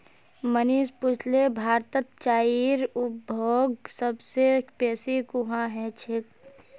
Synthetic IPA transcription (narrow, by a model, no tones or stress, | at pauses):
məniːspʊt͡ʃʰlebʱaːɾt̪ət̪̚t͡ʃaːiɾʊbʱoːɡsəbsepɛːsikuɦãɦɛt͡ʃʰɪk